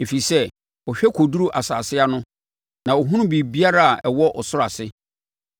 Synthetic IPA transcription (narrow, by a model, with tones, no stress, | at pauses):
e˨fi˨sɛ˦˨ | ɔ˨ɕᶣɛ˦kʰo˨du˦ɾu˦ʔa˨sa̰ː˨sɪ˦a˦nʊ̃˦ | nã˨o˨ɦũ˦ũ˦bi˨bi˦a˦ɾa˦a˨ʔɛ˨wɔ˦ʔɔ˨sʊ˦ɾa˨sɪ˦